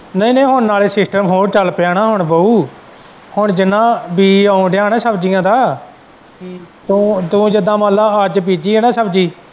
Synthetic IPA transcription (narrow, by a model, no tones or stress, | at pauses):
nəĩːnə̃ːɦʊnːaːleːsɪsʈəmɦoːɾt͡ʃəlpɛːɽaːɦʊɳbəuː | hʊɳd͡ʒɪnãːbiːaːũɖɪjaːnãːsəbd͡ʒijãːd̪aː | t̪ũːt̪ũːd͡ʒɪd̪ãːmaːlaːəd͡ʒpiːd͡ʒiːeːnãːsəb̚d͡ʒiː